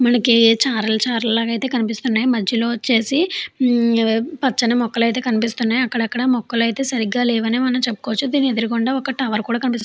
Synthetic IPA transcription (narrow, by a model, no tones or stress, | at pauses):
mɐnɐkit͡ʃaːɾɐlɐt͡ʃaːɾɐllaːɡɐjt̪e̞ːkɐnipist̪unːaːjimɐd͡ʒʱːjɐlo̞ːt͡ʃːe̞ːsi | pɐt͡ʃːɐnemɔkːɐlɐjt̪e̞ːkɐnipist̪unːaːjɐkːɐɽɐkːɐɽɐmɔkːɐlɐjt̪e̞ːsɐɾiɡaːlɛːʋɐneːmɐnɐmt͡ʃepːu̥koːɐt͡ʃːud̪iːnied̪iɾikɔɳɖaːɔkːɐʈɐʋɐɾkuːɽaːkɐnipist̪